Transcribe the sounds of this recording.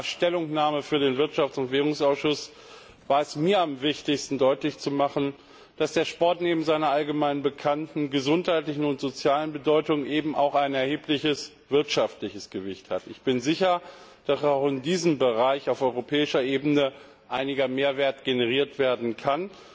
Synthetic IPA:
ʃtɛlʊŋnaːməfyːɐɾeːnvɪɐtʃaft͡sʊntv̥eːʁʊŋsʔaʊsʃʊs | vaːɐɛsmiːɐamvɪçtɪçstn̩dɔʏtlɪçt͡sumaχn̩ | d̥asd̥eːɐʃpɔɐtneːbm̩zaɪnɐalɡəmaɪnənbəkʰantn̩ɡəzʊnthaɪtlɪçn̩ʊntz̥ot͡sjaːlənbədɔʏtʊŋʔeːbm̩ʔa̰ʊxaɪnɛɐheːplɪçəs | v̥ɪɐtʃaftlɪçəsɡ̥əvɪçthatɪçb̥ɪnzɪçɐ | d̥asaʊxɪndiːzəmbəʁaɪçaʊfɔʏʁopʰɛːɪʃɐʔeːbənə | ʔaɪnɪɡɐmeːɐveːɐtɡ̥enəʁiːɐtv̥eːɐdn̩kʰan

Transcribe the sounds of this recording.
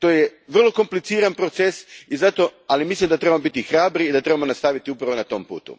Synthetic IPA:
t̪o̞ːjeʋr̩lˠo̞ko̞mplit̪siːɾanpɾo̞t̪sesizat̪o̞alimislimd̪at̪ɾe̞bamobit̪ixɾaːbɾiːd̪at̪ɾe̞bamonast̪aʋit̪iupɾaʋo̞nat̪o̞mpṵːt̪ṵ

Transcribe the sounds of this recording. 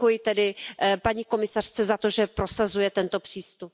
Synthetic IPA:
ujɪt̪ɛdɪpaɲiːko̞mɪsar̥t͡sɛzat̪o̞ʒɛpɾo̞sazujɛt̪ɛnt̪o̞pr̝̥iːst̪up

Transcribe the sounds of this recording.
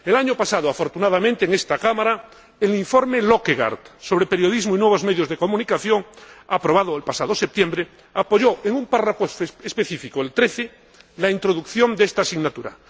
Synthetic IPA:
elaɲopasaðoafo̞ɾt̪unað̞amẽnt̪eːŋest̪akamaɾa | eliɱfoɾmelokeɣa̰ɾt̪so̞βɾepe̞ɾjo̞ðizmoinwe̞β̞o̞zmeðjozðeko̞mũnikaθjoŋapɾo̞βaðoelpasað̞osep̚t̪jembɾe | apoʎoeŋũmparafoespe̞θifikoelt̪ɾeθe | laint̪ɾoðukθjo̞nd̪est̪asiɣnat̪uɾa̰

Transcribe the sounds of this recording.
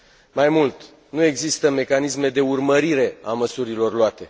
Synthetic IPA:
majmult̪ | nue̞ɡzist̪əme̞kanisme̞d̪e̞urməɾiɾe̞aməsuɾilo̞rloat̪e̞

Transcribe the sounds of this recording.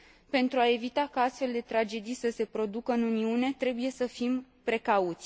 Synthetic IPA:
pe̞nt̪ɾuae̞vit̪akəast̪fe̞ld̪e̞t̪ɾad͡ʒe̞d̪ijsəse̞pɾo̞d̪ukəɨnuniune̞t̪ɾe̞buje̞səfim | pɾe̞kaut̪sʲ

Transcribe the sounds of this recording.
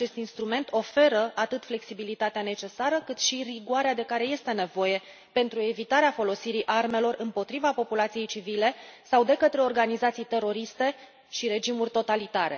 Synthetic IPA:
at͡ʃe̞st̪inst̪ɾume̞nt̪o̞fe̞ɾəʔat̪ɨt̪fle̞ksibilit̪at̪eane̞t͡ʃe̞saɾəkɨt̪ʃiriɡuaɾead̪e̞kaɾe̞je̞st̪e̞ne̞vo̞je̞ | pe̞nt̪ɾue̞vit̪aɾeafo̞lo̞siɾiʔarme̞lo̞rɨmpo̞t̪ɾivapo̞pulat̪sije̞jt͡ʃivile̞sawd̪e̞kət̪ɾe̞o̞rɡanizat̪sijt̪e̞ɾo̞ɾist̪e̞ | ʃiɾe̞d͡ʒimurʲt̪o̞t̪alit̪aɾe̞̰

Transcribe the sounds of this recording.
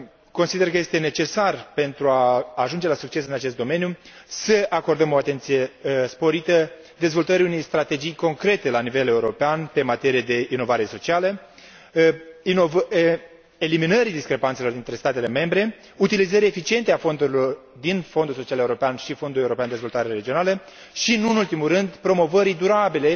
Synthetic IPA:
ko̞nsid̪e̞rkəje̞st̪e̞ne̞t͡ʃe̞sarpe̞nt̪ɾuaːʒund͡ʒe̞lasuk̚t͡ʃe̞sɨnat͡ʃe̞st̪̚d̪o̞me̞njusəako̞rd̪əmo̞at̪e̞nt̪sije̞spo̞ɾit̪ə | d̪e̞zvo̞lt̪əɾiune̞jst̪ɾat̪e̞d͡ʒijko̞ŋkɾe̞t̪e̞lanive̞le̞uɾo̞peanpe̞mat̪e̞ɾijed̪e̞ino̞vaɾe̞so̞t͡ʃialə | inovə | eliminəɾid̪iskɾe̞pant̪se̞lo̞rd̪int̪ɾe̞st̪at̪e̞le̞me̞mbɾe̞ | ut̪ilizəɾie̞fit͡ʃie̞nt̪eafo̞nd̪uɾilo̞r | d̪info̞nd̪ulso̞t͡ʃiale̞uɾo̞peanʃifo̞nd̪ule̞uɾopeand̪ezvo̞lt̪aɾeɾe̞d͡ʒio̞nalə | ʃinunult̪imurɨnd̪pɾo̞mo̞vəɾid̪uɾabile̞

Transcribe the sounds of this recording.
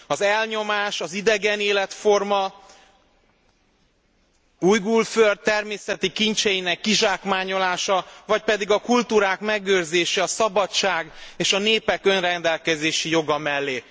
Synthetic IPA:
ɒzɛlɲo̞maːʃɒzid̪ɛɡɛneːlɛt̪fo̞rmɒ | uːjɡulført̪̚t̪ːɛrmeːsɛt̪ikiɲt͡ʃɛjinɛkːiʒaːkmaːɲo̞laːʃɒvɒc̚pɛd̪iɡɒkult̪uːɾaːkmɛɡøːrzeːʃɛɒsɒbɒt͡ʃaːɡeːʃɒneːpɛkø̞nrɛnd̪ɛlkɛzeːʃijo̞ɡɒmɛlːeː

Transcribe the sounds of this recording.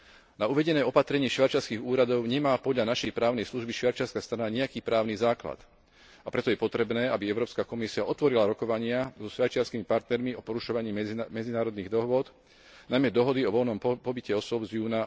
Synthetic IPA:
nauʋɛɟɛnɛːɔpat̪ɾɛɲiːʃʋat͡ʃaɾskiːɣuːɾad̪ɔʊɲɛmaːpɔd̪ʎanaʃɛjpɾaːʊnɛjsluʒbiʃʋaɾt͡ʃɪaɾskast̪ɾanaɲɛjakiːpɾaːʊnizaːkla̰t̪ | apɾɛt̪ɔjɛpɔt̪ɾɛbnɛːabiɛʊɾɔːpskakɔmisiaʔɔt̪ʋɔɾilaɾɔkɔʋaɲɪazɔʃʋaɾt͡ʃɪaɾskimipaɾt̪nɛɾmiɔpɔɾuʃɔʋaɲiːmɛd͡zinaːɾɔd̪niːɣd̪ɔɦʋʊɔd̪ | najmɛd̪ɔɦɔd̪iɔʋɔlnɔmpɔbicɛɔsʊɔbzjuːna

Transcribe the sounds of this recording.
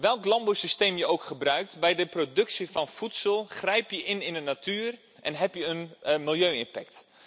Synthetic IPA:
ʋɛlˠklɑmbowsisteːmjəʔowkχəbrœɥk̚tbɛjdəprodɵksifɑnfutsəlˠχrɛjpjəʔɪnɪnənatʰyːr | ʔɛnɦɛpjəənmɪlˠjøːɪnpɛkt

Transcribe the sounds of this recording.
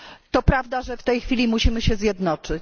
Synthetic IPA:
t̪ɔpɾavd̪aʐɛft̪ɛjxfʲilʲimuɕimɘɕɛzʲjɛd̪nɔt͡ʂɘt͡ɕ

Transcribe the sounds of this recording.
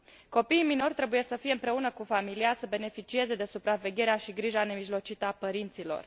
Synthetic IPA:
ko̞piːmino̞rʲt̪ɾe̞buje̞səfije̞ɨmpɾe̞unəkufamiliasəbe̞ne̞fit͡ʃie̞ze̞d̪e̞supɾave̞ɡʲe̞ɾeaʃiɡɾiʒane̞miʒlo̞t͡ʃit̪əapəɾint̪silo̞̰r

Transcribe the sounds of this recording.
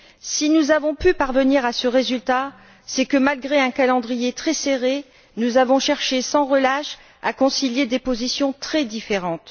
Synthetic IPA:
sinuzavɔ̃pypaʁvəniʁasəʁezylt̪a | sɛkəmalɡʁeɛ̃kalɑ̃d̪ʁijet̪χɛseʁe | nuzavɔ̃ʃɛʁʃesɑ̃ʁəlaʃ | a̰kɔ̃siljed̪epozisjɔ̃t̪χɛd̪ifeʁɑ̃t̪

